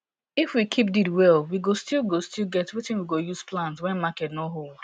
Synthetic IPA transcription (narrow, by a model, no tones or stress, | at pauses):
ɪfwikʰip̚didwɛlwiɡostilˠɡostilɡɛtwɪtɪ̃nwiɡojuz̥plãnswɛ̃nmakɛtnoɦol